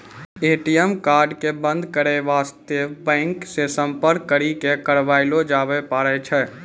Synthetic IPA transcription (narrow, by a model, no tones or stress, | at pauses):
eːʈijɛmkaːɾɖkebə̃nd̪ʱkəɾeʋaːst̪ebɛ̃ːŋksesə̃mpəɾkːəɾikekəɾʋaːɪlod͡ʒaːbepaːɾɛt͡ʃʰɛː